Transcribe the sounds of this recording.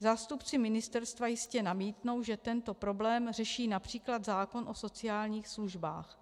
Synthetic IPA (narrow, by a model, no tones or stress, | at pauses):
zaːst̪upt͡sɪmɪnɪst̪ɛɾst̪vajɪscɛnamiːt̪no̞wʒɛt̪ɛnt̪o̞pɾo̞blɛːmr̝ɛʃiːnapr̝̥iːklad̪zaːko̞nʔo̞so̞t͡sɪjaːlɲiːxsluʒba̰ːx